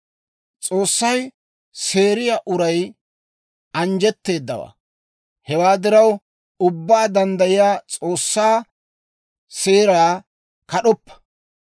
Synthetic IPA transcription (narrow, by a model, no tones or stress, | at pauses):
t͡sʼoːsːɐj | se̞ːɾɪjaːʔʊɾɐj | ɐnd͡ʒɛt̪ːe̞ːd̪ːɐ̰wa̰ː | hɛwaːd̪ɪɾɐw | ʊbːaːd̪ɐnd̪ɐjɪjaːt͡sʼo̞ːsːaː | se̞ːɾaː | kɐɗɔpːɐ̥